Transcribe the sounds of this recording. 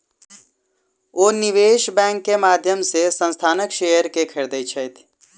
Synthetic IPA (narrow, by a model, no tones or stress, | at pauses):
oːnɪʋeːʃbɛ̃ːŋkːemaːd̪ʱjəmsesə̃nst̪ʰaːnəkʃeːjəɾkekʰəɾd̪əit͡ʃʰəjt̪ʰ